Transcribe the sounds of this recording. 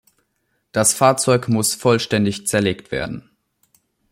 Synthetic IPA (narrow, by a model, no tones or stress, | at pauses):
d̥asfaɐt͡sɔʏkmʊsfɔlʃtɛndɪçt͡sɛɐleːktv̥ḛːɐdn̩